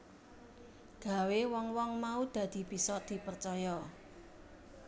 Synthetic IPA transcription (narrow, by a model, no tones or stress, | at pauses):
ɡ̥a̤wewɔŋwɔŋmaud̪̥ä̤d̪̥i̤b̥i̤sɔd̪̥i̤pərt͡ʃɔjɔ